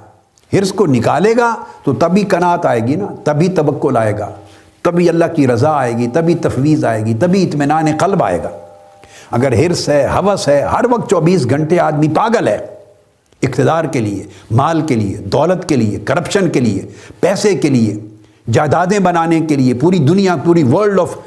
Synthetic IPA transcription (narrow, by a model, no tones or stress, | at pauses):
hɪɾskonɪkaːleːɡaːt̪ot̪ɐbʱikɐnaːt̪aːeːɡinat̪ɐbʱit̪ɐbɐkːʊlaːḛːɡa̰ː | t̪ɐbʱiɐlːakiɾɐzaaːeːɡit̪ɐbʱit̪ɐfʋiːzaːeːɡit̪ɐbʱiɪt̪mɪnaːneqɐlba̰ːḛːɡa̰ː | ɐɡəɾɦɪɾsɦɛɦɐʋəsɦɛɦɐɾʋɐk̚t̪̚t͡ʃɔːbiːs̬ɡʱɐ̃ɳʈeaːd̪mipaːɡəlɦɛ̰ː | ɪqt̪ɪd̪aːɾkeliḛmaːlkelḭḛd̪ɔːlət̪keliḛkɐɾɐpʃənkeliḛpɛːsekelie | d͡ʒaːd̪aːd̪ẽbɐnaːnekeliepuːɾid̪ʊnijapuːɾiʋəɾɖɔːf